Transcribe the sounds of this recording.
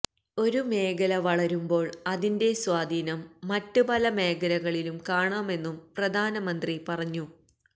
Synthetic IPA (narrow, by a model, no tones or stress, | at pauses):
o̞ɾume̞ːkɐlɐʋɐɭɐɾumbo̞ːɭɐðinde̞swaːd̪ʱiːnɐmːɐtːupɐlɐme̞ːɡɐlɐɣɐɭilumkaːɳaːme̞nːumprɐd̪ʱaːnɐmɐnd̪ripɐrɐɲːu